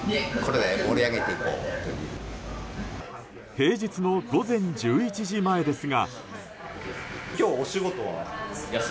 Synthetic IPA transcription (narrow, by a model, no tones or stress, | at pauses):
kʰo̞ɾed̪emoɾʲiaɡe̞t̪e̞iko̰ːt̪ːḛjɯ̰ | he̞ːd͡ʑit͡sɨno̞ɡo̞zẽ̞ɲ̟d͡ʑɨːit͡ɕiʑimae̞d̪e̞sɨɡa | kʲo̞ːɕiɡo̞t̪oβa̰ja